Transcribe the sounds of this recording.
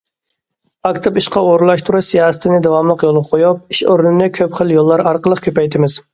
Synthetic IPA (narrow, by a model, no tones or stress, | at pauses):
ɑkt̪ʰɨpiʃqɑoɾlˠɑʃt̪ʰuɾuʃsijɑːsɨ̥t̪ʰɪnɪd̪ɛwɑmlˠəqjolˠʁɑqʰojup̚iʃoɾnɪnɪkʲʰøpχəlˠjolˠːɑɾɑɾqəlˠəqkʲʰøpɛjt̪ʰɪmɪz̥